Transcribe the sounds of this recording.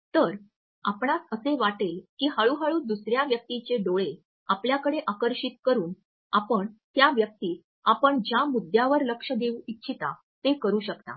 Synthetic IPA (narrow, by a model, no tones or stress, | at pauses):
t̪əɾ | apɳ̃at̪əseʋaʈelkiːɦaɭuɦaɭuːd̪usɾjaʋjək̚t̪it͡ɕeɖoɭe | apljakəɽeʔakəɾɕit̪̚kəɾuːn | apəɳt̪jaʋjək̚t̪iː | apəɳd͡ʑjamud̪ʱjaʋəɾləkʂəd̪euitːɕʰit̪a̰ | t̪ekəɾuːɕəkt̪a̰